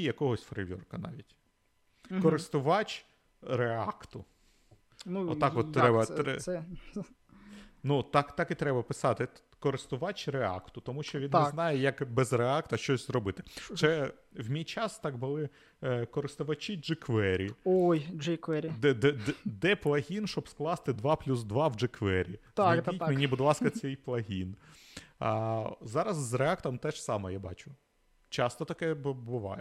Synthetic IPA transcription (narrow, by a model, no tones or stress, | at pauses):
ijɐkɔɦɔsʲfɾḛʋʲɔ̰rkɐnɑ̰ʋʲitʲ | kɔɾɪst̪ʊʋɑt͡ʃ | reɑkt̪ʊ | nuɔːɑkʋɔt̪ːɾɛbɐɛɛ | nut̪ɑkt̪ɑkit̪ɾɛbɐpɪsɑt̪ɪ | kɔɾɪst̪ʊʋɑt͡ʃʲɾeɑ̰kt̪ʊt̪ɔmuʃt͡ʃɔʋʲinnɛznɑjɛjɐkbɛzreɑkt̪ɐʃt͡ʃɔsʲzɾɔbɪt̪ɪ̥t͡ʃɛ | wmʲijt͡ʃɑst̪ɑɡbʊlˠɪ | kɔɾɪst̪ʊʋɐt͡ʃʲid͡ʒɪkʋɛɾʲiojd͡ʒɪkʋɛɾʲid̪ɛd̪ɛd̪ɛplˠɐɦʲinʃɔbsklˠɑst̪ɪd̪ʋɑplʲuzd̪ʋɑwd͡ʒɪkʋɛɾʲḭt̪imenʲibʊd̪lˠɑskɐt͡s̪ʲɛjplˠɐɦʲin | zɑɾɐzːreɑkt̪ɔmt̪ɛʃsɑmɛjabɑ̰t͡ʃʊ | t͡ʃɑst̪ɔt̪ɐkɛbbʊʋɑ̰jɛ